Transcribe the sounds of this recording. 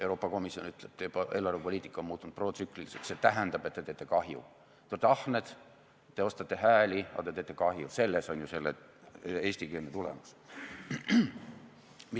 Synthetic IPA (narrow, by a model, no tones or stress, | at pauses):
ewɾo̞ːpːˑɑko̞misio̞nyt̪ˑleb̥̚t̪epʔe̞ːlːɑrvepo̞liːt̪ːˑi̥kːˑɑomuːt̪ːˑunud̪̥pro̞ːt̪sykˑliliset̪set̪æɦænd̪ɑb̥e̞t̪ːe̞t̪eːt̪ːˑekɑɦjṵ | t̪ut̪ɑhne̞d̪̥ | t̪e̞o̞st̪ɑt̪ːe̞ɦæːlʲiɑ̰t̪e̞t̪e̞ːt̪ːˑe̞kɑɦjuse̞lːeso̞nʲjuse̞lːe | e̞ːsʲt̪ikeːnet̪ulḛmɑs | mi